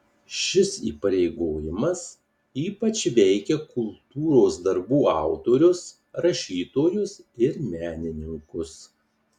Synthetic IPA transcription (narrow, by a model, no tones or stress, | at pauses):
ʃʲɪsḭːpɐɾʲɛɪɡoːjɪmɐs | iːpɐt͡ʃʋʲɛɪkʲɛkʊlˠt̪uːɾoːsd̪ɐɾbuːɑˑʊt̪oːɾʲʊs | ɾɐʃʲiːt̪oːjʊsɪɾmʲæːnʲɪnʲɪŋkʊs